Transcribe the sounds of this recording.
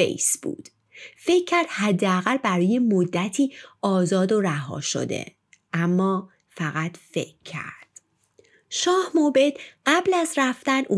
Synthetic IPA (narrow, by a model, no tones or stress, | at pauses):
ḛjsb̥ṵːd̪̥ | fe̞cʰːæɾd̪̥hæd̪ːeæɣælbæɾɒːjemod̪ːæt̪ʰiːʔɒːzɒːd̪oɾæɦɒ̰ːʃo̞̰d̪e̞̰ | ʔæmːɒː | fæɣæt̪fe̞kʰːæ̰ɾd̪̥ | ʃɒːhmobe̞d̪̥ɢæblæzræft̪ænu